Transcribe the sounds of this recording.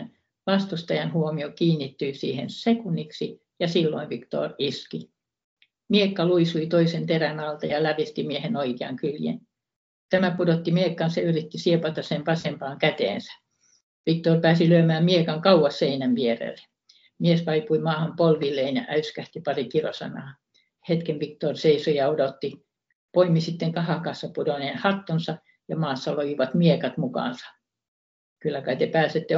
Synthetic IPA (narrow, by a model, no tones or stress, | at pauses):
n | ʋɑst̪ust̪ɑjɑnhuomiokiːnːit̪ːyisiːhensekunːiksi | jɑsilːo̰iʋikt̪o̰ːriski | miekːɑluisuit̪oisent̪erænɑlt̪ɑjɑlæʋist̪imiehenoikeɑ̰ŋkyljḛn | t̪æmæpudot̪ːimiekːɑnsɑyrit̪ːisiepɑt̪ɑsempɑsempɑːŋkæt̪ḛːnsæ̥ | ʋik̚t̪orpæːsilyømæːmmiekɑŋkɑuwɑsseinæmʋierḛlːe̥ | miesʋɑipuimɑːhɑmpolʋilːˑeːnjɑ̰ʔæyskæht̪ipɑrikilo̰sɑ̰nɑ̰ː | het̪kemʋikt̪orseisojɑodot̪ːi | poimisit̪ːeŋkɑhɑkɑːsːɑpudoneːnhɑt̪ːonsɑ | jɑmɑːsːɑloʋiʋɑt̪miekɑt̪mukɑ̰ːˑnsɑ̥ | kylːækɑit̪epæːset̪ːe